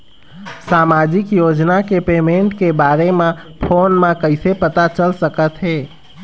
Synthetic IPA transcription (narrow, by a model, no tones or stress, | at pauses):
saːmaːd͡ʒɪkjoːd͡ʒnakepeːmẽːɳʈkebaːɾemẽ | pʰoːnmẽkəɪsepət̪at͡ʃəlsəkət̪ɦɛː